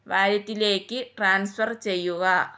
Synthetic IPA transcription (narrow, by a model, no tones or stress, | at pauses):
ʋaːɾjɐt̪ːile̞ːkːɨʈraːnsfɐrt͡ɕe̞jːuɣɐ